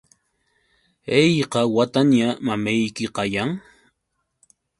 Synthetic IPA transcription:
ejqɑwat̪anjamamejkɪqɑjaŋ

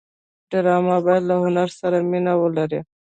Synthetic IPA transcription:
ɖɪɾɑːmabajad̪lahʊnaɾsaɾaminawəlaɾe

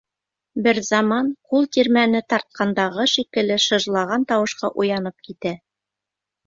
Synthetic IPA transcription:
bɘɾzɑmɑnqulˠt̪iɾmænɘt̪ɑɾt̪̚qʰɑnd̪ɑʁɤʃikɘ̆lɘʃɤ̆ʒlˠɑʁɑnt̪ɑwɤ̆ʃqɑʔujɑnɤp̚kit̪æ

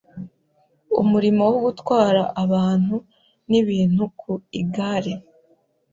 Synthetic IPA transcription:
ṵmuɾimo̞woɡutwaːɾaʔːβaːn̥hu | niβiːn̥hukʰuiɡaːɾe

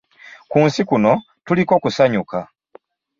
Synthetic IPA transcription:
kuːnsikuno̞ | tuliko̞ːkusaɲuka

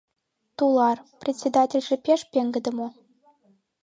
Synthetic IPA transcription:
t̪ulˠɑrprʲetʲsʲed̪ɑtʲĕlʲʐɘ̆pʲeʂpʲeŋɡɘ̆d̪ɤ̆mo

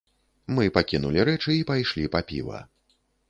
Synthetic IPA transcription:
mɨpakʲinulʲiɾɛt͡ʂɨːpajʂlʲipapʲḭvɐ̰

